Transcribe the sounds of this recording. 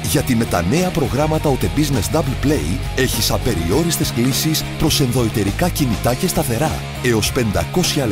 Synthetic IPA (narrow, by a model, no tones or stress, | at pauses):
ʝɐt̪ime̞t̪ɐ̰ne̞ɐpɾo̞ɣɾɐmɐt̪ɐot̪e̞bizne̞zd̪ɐblplḛj | e̞çisɐpe̞ɾḭo̞ɾist̪e̞sklisispɾo̞se̞nðo̞it̪e̞ɾikɐcinit̪ɐce̞st̪ɐθe̞ɾɐ | e̞o̞spe̞nd̪ɐko̞sçɐ